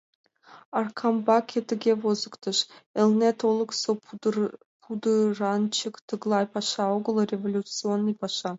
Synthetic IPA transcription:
ɑrkʰɑmbɑkʲʰet̪ɘ̆ɡʲevozəkt̪ɤ̆ʃelʲˠnʲet̪ʰolˠəkso | pʰud̪ɯrɑnt͡ɕəkt̪ɯɡlˠɑjpɑʃɑoɡə̆lˠrʲevolʲut͡sɨonːəjpɑʃɑ

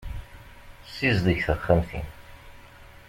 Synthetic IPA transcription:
sːizðˤəçθəχːəmθḭn

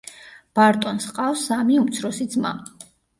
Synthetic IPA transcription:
b̥aɾt̪ʼɔnsqʼafsamiumt̪sʰɾɔsid̪zma̰

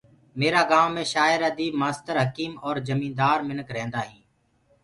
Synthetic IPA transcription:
meːɾaːɡaːʋːẽːʃaːɪɾəd̪iːbmaːst̪əɾɦəkiːmɔːɾd͡ʒəmĩːnd̪aːɾmɪnəkʰɾẽːnd̪aːɦĩː

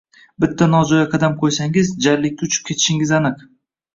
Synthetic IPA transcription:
bɪt̪ʰːanɒd͡ʒɒjaqʰɑd̪amqʰojsaŋɪzd͡ʒaɾlɪkʲːaʊt͡ʃʰʊ̥p̚kʲʰe̞t̪ʰɪ̥ʃɪŋɪzanɨq

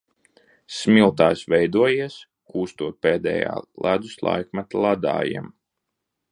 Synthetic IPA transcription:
smʲilˠt̪aːjsʋɛjd̪uɔjiɛs | kuːst̪uɔt̪̚peːd̪ɛ̰ːja̰ːlˠæd̪uslˠa̰jkmat̪alˠad̪a̰ːjḭm

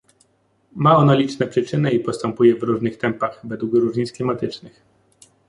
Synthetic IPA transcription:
maɔnalʲit͡ʂnɛpʂɘt͡ʂɘnɛipɔst̪ɛmpujɛvɾuʐnɘxt̪ɛmpaxvɛd̪wukɾuʐɲit̪sklʲimat̪ɘt͡ʂnɘx

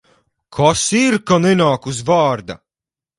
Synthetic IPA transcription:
kʰasiɾkanenaːkuzvaːɾd̪a̰

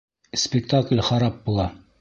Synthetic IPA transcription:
spʲɪk̚t̪aklʲχɑɾɑp̚bulˠɑ

